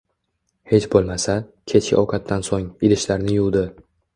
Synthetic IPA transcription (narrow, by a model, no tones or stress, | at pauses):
he̞t͡ʃbolˠmasakʲʰe̞t͡ʃkʲɪ̰ʔɒwkʰat̪ʰːansoŋɪlɪʃlaɾnɪjʊlˠd̪ɪ